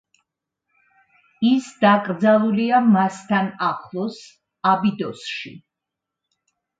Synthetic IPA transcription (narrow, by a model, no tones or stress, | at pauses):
isd̪akʼɾd̪zalˠuliamast̪ʰanaχlˠɔs | abid̪ɔsʃḭ